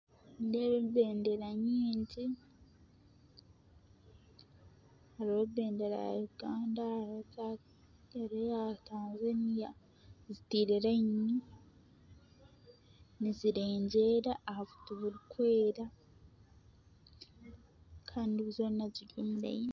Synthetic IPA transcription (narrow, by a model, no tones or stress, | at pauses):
ndeβeβe̞ːndeɾaɲiːɲɟi | haɾiβoβe̞ːndeɾa̰juɡaːndaa | aɾejataːnzenija | zitiːɾeɾaɲɲi | niziɾeːɲɟe̞ɾaːhavu̥tuβuɾikwe̞ːɾa | kʰaːnduβuzoːninaziɟomuɾa̰iɲ